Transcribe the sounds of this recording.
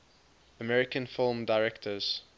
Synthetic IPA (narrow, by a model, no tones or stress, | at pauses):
əmɛɹɪkə̃nfɪlˠmdaɪɹɛktʰəz̥